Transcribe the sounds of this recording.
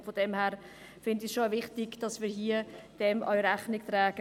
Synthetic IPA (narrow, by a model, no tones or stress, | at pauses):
fod̥ɛmhæːɾ | fɪndisʃoavɪχtɪɡd̥ɑsmiːɾɦiːəd̥ɛmʔœ̰ʏɥɾæχnɪktɾɛːɡ̥ə